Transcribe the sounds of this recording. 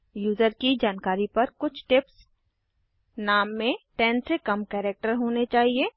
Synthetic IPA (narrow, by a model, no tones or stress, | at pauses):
juːzəɾkid͡ʒaːnkaːɾipɐɾkʊt͡ʃʰʈɪps | naːmːẽʈɛ̃ːnsekɐmkɛːɾek̚ʈəɾɦoːnet͡ʃaːɦieː